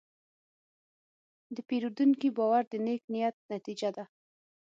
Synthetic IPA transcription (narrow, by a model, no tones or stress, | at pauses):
d̪əpeɾud̪unkibɑwaɾd̪əneknijat̪̚nat̪id͡ʒad̪a